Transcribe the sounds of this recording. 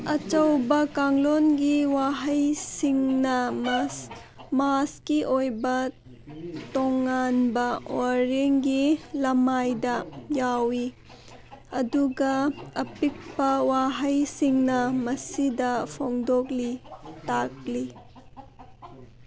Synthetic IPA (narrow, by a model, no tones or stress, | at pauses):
ɐt͡ʃɐwbɐkaŋlonɡiwaɦɐjsiŋnɐms | maskiʔojbɐ | toŋːanbɐwaɾeŋɡilɐmajdɐjawi | ɐduɡɐɐpik̚pɐwaɦɐjsiŋnɐmɐsidɐpʰoŋdok̚litak̚li